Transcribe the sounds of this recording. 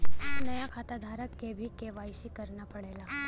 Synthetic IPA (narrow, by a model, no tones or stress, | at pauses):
nəjakʰat̪ad̪ʱaɾəkːebʱikeʋajʃikəɾnapəɽela